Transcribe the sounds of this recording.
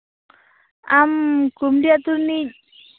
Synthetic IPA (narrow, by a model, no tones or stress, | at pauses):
amkumdiat̪uɾni